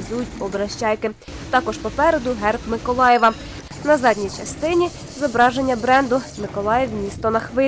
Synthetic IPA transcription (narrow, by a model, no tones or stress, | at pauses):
zujʊt̚ʲpɔbɾɐʃt͡ʃɑjkɪ | t̪ɑkɔʃpɔpɛɾed̪ʊɦɛrpmɪkɔlˠɑjɛʋɐ | nɐzɑdʲnʲijt͡ʃɐst̪ɪnʲi | zɔbɾɑʒenʲːɐbɾɛnd̪ʊmɪkɔlˠɑjɛwmʲist̪ɔnɐxʋɪ